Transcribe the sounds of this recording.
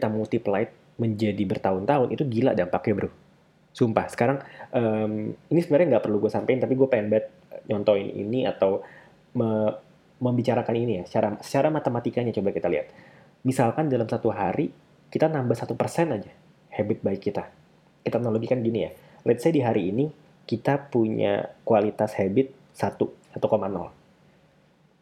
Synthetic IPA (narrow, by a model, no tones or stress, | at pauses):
kit̪amult̪iplaɪt̪̚ | məɲd͡ʒadibərt̪aʊnt̪aɦʊnʔit̪uɡila̰ʔdanpakɛbəɾu | sumpahsə̥kaɾaŋʔəminisəbənarɲaŋɡaʔpərluɡuasampaɪnt̪apiɡuapɛmbɛt̪̚ | ɲɔnt̪ɔɪnḭnia̰t̪aw | mə | məmbit͡ʃaɾakaninijasə̥t͡ʃaɾasə̥t͡ʃaɾamat̪əmat̪ikaɲat͡ʃobakit̪alḭhat̪̚ | misalkandalamsat̪uɦaɾi | kit̪anambasat̪upərsɛnad͡ʒa | hɛbɪt̪̚baɪkːit̪a | kit̪anoloɡikanɡinija̰ | lʔat̪̚sadiɦaɾiːni | kit̪apuɲa̰kualit̪ashɛbɪt̪̚ | sat̪uat̪ukomanɔ̰l